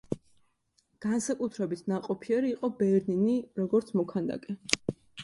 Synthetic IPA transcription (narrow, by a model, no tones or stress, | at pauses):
ɡ̥ansakʼut̪ʰɾɛbit̪ʰnaqʼɔpʰiɛɾiːqʼɔbɛɾniniɾɔɡɔɾt̪sʰmɔkʰand̪a̰kʼɛ